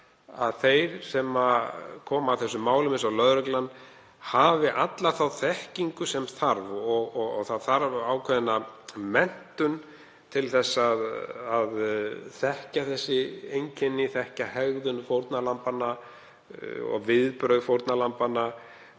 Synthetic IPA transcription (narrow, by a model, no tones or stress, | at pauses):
a̰ðθejɾ̥sɛmakʰɔːmaːwθɛsːʏmːaːwlʏmɪnsawlœðɾʏklan | havɪʔat̪laθawθɛhciŋkʏsɛmθaɾvɔɣɔɣɔɣθaðθaɾvaːwkʰvɛðɪnːamɛn̥t̪ʏn | t̪ʰɪlθɛsːaðaðθɛhcaθɛsːɪejɲcʰɛnːɪθɛhcahɛɣðʏnfowɾt̪nalampanːa | ɔ̰ɣvɪðpɾœɥðfowɾt̪nalampana